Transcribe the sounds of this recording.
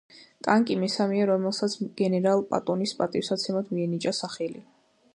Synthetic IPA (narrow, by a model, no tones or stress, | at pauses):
t̪ʼaŋkʼimɛsamɛaɾɔmɛlˠsat̪sʰɡ̥ɛnɛɾalˠpʼa̰t̪ʼɔnispʼat̪ʼifsat̪sʰɛmad̪ʰmiɛnit͡ʃʼasaχɛlḭ